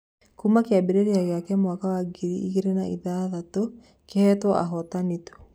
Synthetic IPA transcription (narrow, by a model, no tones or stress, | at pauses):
kuːmakeabeɾeɾeaɣeakɛmwakawaɡiɾiiɣeɾenaiðaːðato | kehɛtwɔʔa̰ɦɔtanito̥